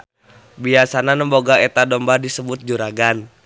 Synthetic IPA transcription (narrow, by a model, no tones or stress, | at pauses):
biasananəmboɡaet̪adɔmbadisəbʊt̪̚d͡ʒuɾaɡan